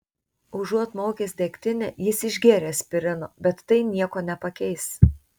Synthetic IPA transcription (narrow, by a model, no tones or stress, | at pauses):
ʊʒuɔt̪moːkʲeːsʲd̪ʲekʲt̪ʲɪnʲɛːjɪsɪʒʲɡʲeːɾʲeːsʲpʲɪɾʲɪno̰ːbʲɛt̪ːɐɪnʲiɛkoːnʲɛpɐkʲɛɪs